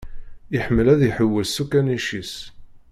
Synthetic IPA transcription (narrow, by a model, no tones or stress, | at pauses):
iħəmːəlæðjħəwːəlsukːæniʃis